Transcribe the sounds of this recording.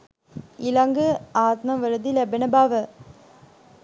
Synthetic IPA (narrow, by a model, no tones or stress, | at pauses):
ɪlɐŋɡɯaːt̪nɐmʋɐɾɐd̪ilɛbɐnɐbaːʋɐ